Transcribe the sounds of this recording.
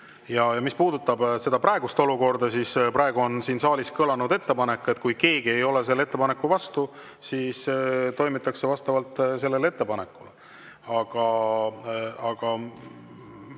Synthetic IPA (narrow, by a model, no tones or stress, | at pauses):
jɑjɑmispuːd̪ut̪ːˑɑb̥se̞d̪̥ɑprɑe̞ɡ̥ust̪o̞luko̞rd̪ɑsispɾɑe̞ɡ̥uo̞nsiːnsɑːliskɤlɑnud̪e̞t̪ːe̞pɑne̞kːˑe̞t̪̚ːˑkujke̞ːɡie̞jo̞le̞s̬e̞lːee̞t̪ːepɑne̞kːˑuvɑst̪u | siːst̪o̞jmit̪ˑːɑkse̞vɑst̪ɑvɑlt̪ˑːse̞lːe̞lee̞t̪ːe̞pɑne̞kːˑule | ɑɡ̥ɑ | ɑɡ̥ɑ